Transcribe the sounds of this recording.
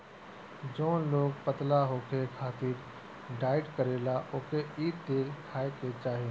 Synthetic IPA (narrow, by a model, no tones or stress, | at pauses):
d͡ʒoːloːɡpət̪laɦoːkʰekʰaːt̪iːɾ | ɖaːɪɖkəɾeːlaʔoːkeiːd̪̚d̪eːɾkʰaːeket͡ʃaːɦie